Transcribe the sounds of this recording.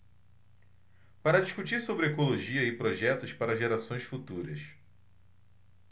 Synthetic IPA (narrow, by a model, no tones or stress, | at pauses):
paɾɐd͡ʒiʃkut͡ʃiɾsobɾɪekoloʒiɐɪpɾoʒɛt̪ʊspaɾɐʒeɾasõj̃sfut̪uɾɐs